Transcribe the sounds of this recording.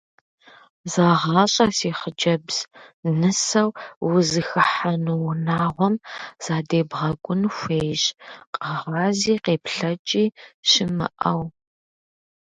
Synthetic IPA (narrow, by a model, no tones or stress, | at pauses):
zaːʁɑːɕʼɐsiːχəd͡ʒɐbz̥nɨsɐwwʊzɨxɨħanuwʊnaːʁʷɔmz̥aːdeːbʁɐɡʷʼʊnxʷeːjɕʼqʼɐʁɑːziːqeːpɬɐt͡ʃʼiːʃɪmɨ̰ʔɐw